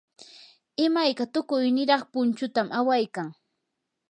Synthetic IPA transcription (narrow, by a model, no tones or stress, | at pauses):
ɪmajkat̪ʊkʊjnɪɾɑχpʊnt͡ʃʊt̪amʔawajkaŋ